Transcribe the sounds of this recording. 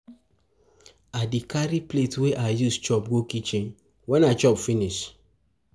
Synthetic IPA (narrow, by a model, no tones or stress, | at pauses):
adikaɾipletweʔajust͡ʃɔpɡokit͡ʃĩn | wɛ̃nat͡ʃɔbfiniʃ